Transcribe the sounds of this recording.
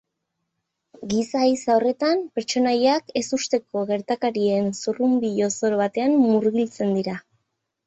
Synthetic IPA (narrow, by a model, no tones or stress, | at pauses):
ɡisaisaore̞t̪ampe̞ɾt͡ʃo̞najake̞sust̪e̞ko̞ɣe̞ɾt̪akaɾie̞nsurumbiʎo̞so̞ɾoβat̪e̞ammuɾɣilt͡se̞nd̪iɾa